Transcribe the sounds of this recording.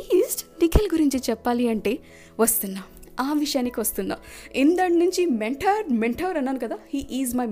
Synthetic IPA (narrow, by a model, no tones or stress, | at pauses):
zʈnikʰelɡuɾiɲt͡ʃit͡ʃɛpːaːliɐɳʈe̞ː | ʋɐst̪unːaaːʋiʂɐjaːnikiʋɐst̪und̪a̰ind̪ɐɳnuɲt͡ʃimeɳʈʰɐɾmeɳʈʰɐʋɾɐnːaːnukɐd̪aːhiːʔiːzmɐj